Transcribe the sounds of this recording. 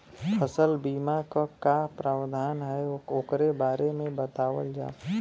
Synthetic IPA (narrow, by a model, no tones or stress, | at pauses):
pʰəsəlbiːmakakapɾaːwd̪ʱaːnɦɛoːkɾebaːɾemẽbət̪aːwəld͡ʒa̰ː